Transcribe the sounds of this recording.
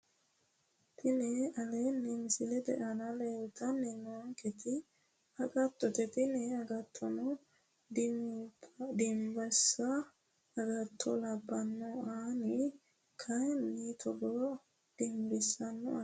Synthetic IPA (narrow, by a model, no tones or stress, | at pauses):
t̪ʰɪnɛɐlɛnɛmɪsɪlɛd̪ɛ̰ʔɐnɐlelt̪ɐnːɛnoŋkɛt̪ɪ | ɐɡɐt̪ːɔt̪ɛt̪ɪnɛɐɡɐt̪ʰːɔnɔ | d̪ɪmbɐsɐː | ɡɐt̪ʰːɔlɐbːɐnːɔaːnɪ | kʰɐjnːit̪ʰɔɡɔ | d̪̥ɪmbɪsːɐnːɔ̰ʔa